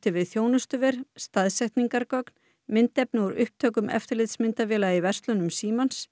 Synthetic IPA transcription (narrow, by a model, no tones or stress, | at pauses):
t̪ɪvɪðθjoːwnʏst̪ʏvɪɾ̥st̪aðsɛht̪niŋkaɾkɔkn̥ | mɪnt̪ɛpnɪuɾʏhp̚t̪ʰœːkʏmɛ̰ft̪ɪɾlɪt̪smɪnt̪avɪːlaðivɛr̥st̪lʏnʏmsiːmans